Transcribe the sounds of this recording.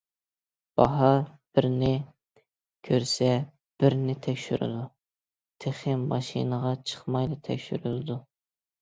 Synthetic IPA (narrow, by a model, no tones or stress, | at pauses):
b̥ɑɦɑɾb̥ɪɾnɪ | kʲʰøɾsɛ | b̥ɪɾnɪt̪ʰɛkʲʃyɾy̰d̪u | t̪ʰeχɪmːɑʃḭnəʁɑt͡ʃʰə̥χmɑjlˠɨt̪ʰɛ̰kʲʃyɾylˠɨd̪u